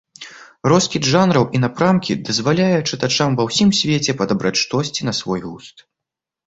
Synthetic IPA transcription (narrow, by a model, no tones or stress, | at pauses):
ɾɔskʲid̪ʐanɾɐwʔinapɾamkʲḭd̪ɐzvalʲajɛt͡ʂɨt̪at͡ʂamvɐwsʲimsʲvʲɛt͡sʲɛpɐd̪abɾat͡sʲʂt̪ɔsʲt͡sʲinɐsvɔjɣust̪